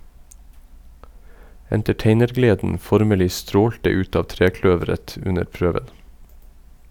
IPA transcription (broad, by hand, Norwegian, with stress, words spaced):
ɛntɛˈʈeɪnəɾˌɡleːdn̩ ˈfɔɾməlɪ ˈstɾoːltə ˈʉt ˈɑː ˈtɾeːˌklœʋəɾət ˈʉnəɾ ˈpɾøːʋən